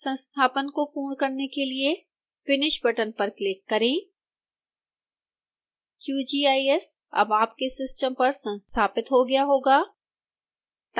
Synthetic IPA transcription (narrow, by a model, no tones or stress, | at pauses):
sə̃nst̪ʰaːpənkopuːɾkɐɾnekelie | fɪnɪʃbɐʈənpɐɾklɪkːɐɾẽː | kjuːd͡ʒiːaːiɛs | ɐ̰baːp̚kesɪsʈəmpɐɾsɐ̃nst̪ʰaːpɪt̪ɦoɡɐjaɦoːɡaː | t̪